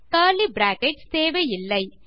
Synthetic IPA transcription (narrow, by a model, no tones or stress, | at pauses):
aːlibɾaːkɛʈst̪eːʋɐjɪlːɐɪ